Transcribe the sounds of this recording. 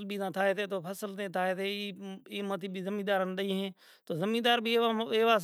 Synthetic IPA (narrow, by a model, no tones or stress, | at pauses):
lbʱiːnaːt̪ʰaːeːt̪eːt̪oːpʰəsəlt̪eːt̪ʰaːeːt̪ʰeːiːmət̪iːbʱiːzəmĩːd̪aːɾənd̪əiɦɛ̃ː | t̪oːzəmĩːd̪aːɾbieːʋaːs